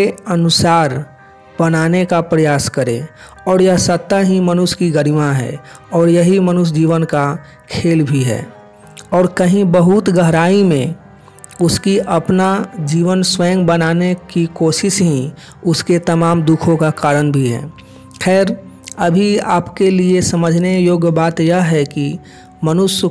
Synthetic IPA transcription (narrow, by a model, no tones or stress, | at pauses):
eɐnʊsaːɾ | bənaːnekapɾəjaːskəɾḛ̃ | ɔːɾjəɦsət̪ːaɦĩmənʊskiɡəɾimaɦɛ̰ː | ɔːɾjɐɦimənʊs̬d͡ʒiːʋənka | kʰeːlbʱiɦɛ̰ː | ɔːɾkəɦĩbəɦʊt̪ɡəɦɾaːimẽ | ʊskiʔɐpnad͡ʒiːʋənswɛ̃ːŋɡbənaːnekikoːʃɪʃɦĩ | ʊsket̪ɐmaːmd̪ʊkʰõkakaːɾənbʱiɦɛ̰ː | kʰɛːɾ | ɐbʱiaːpkeliesəməd͡ʒʱnejoːɡbaːt̪jəɦɛki | mənʊs